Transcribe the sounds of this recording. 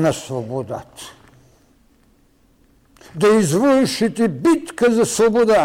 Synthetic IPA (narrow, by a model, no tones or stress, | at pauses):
nɐsʋɔboːd̪a̰t̪ | d̪ɐizʋolʃit̪ibit̪kɛzasʋɔboːd̪a